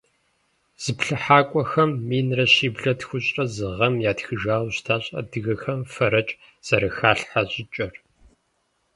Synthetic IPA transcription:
z̥ɨpɬɨħaːkʷʼɔxɐmːiːnrɐɕiːbɮɐtxʷʊɕʼɐzɨʁɐmjaːtxɨʒaːwɕtʰaːɕʼɐ̰dɨɣɐxɐmfɐɾɐt͡ʃʼ | z̥ɐɾɐxaːɬħaɕʼɪt͡ʃʼɐr

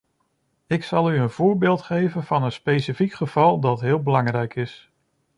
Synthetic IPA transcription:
ɪksɑlˠyənv̥ʊːɹbɪːlˠtχejvənv̥ɑnənspejsifikχəv̥ɑlˠdɑtɦɪːlˠbəlɑŋrɛjkɪs

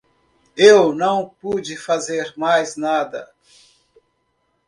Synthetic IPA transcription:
ewnɐ̃w̃pud͡ʒɪfazeɾmajznad̪ɐ

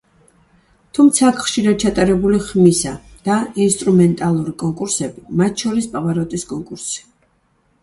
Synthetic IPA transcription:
t̪ʰumt̪sʰakχʃiɾad̪̚t͡ʃʰat̪ʼaɾɛbuliχmisad̪̥ainst̪ʼɾumɛnt̪ʼalˠuɾikʼɔŋkʼuɾsɛbimat̪ʰʃɔɾispʼavaɾɔt̪ʼiskʼɔŋkʼuɾsi̥

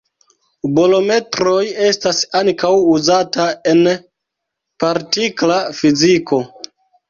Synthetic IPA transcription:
bolo̞me̞tɾo̞je̞stasaŋkawuzataen | paɾtiklafizikʰo̞

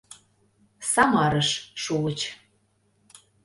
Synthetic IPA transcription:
sɑmɑɾəʃʃuət͡ɕ

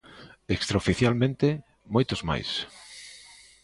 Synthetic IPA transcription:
ekst̪ɾaofiθjalmẽnt̪ɪ | mojt̪ʊzma̰js

